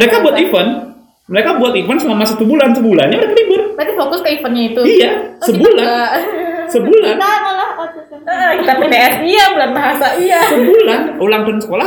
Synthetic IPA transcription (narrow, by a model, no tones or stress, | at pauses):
əɾekabuat̪ifən | məɾekabuat̪ifənsumamasʊt̪ubulansəbula̰nɲaməɾekadibʊrt̪at̪ifokʊskəifənɲait̪uiasəbulanasəbulanla | t̪apipeɛsiabulanbaɦasaiasəbulanulaŋt̪ʊnsə̥kola